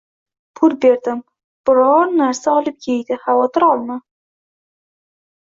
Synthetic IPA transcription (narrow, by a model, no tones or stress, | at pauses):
pʰʊɾbe̞ɾd̪ɪm | b̥ɪɾɒɾnaɾsaɒlˠɪp̚kʲʰejd̪ɪhavɒt̪ʰɪɾɒlˠma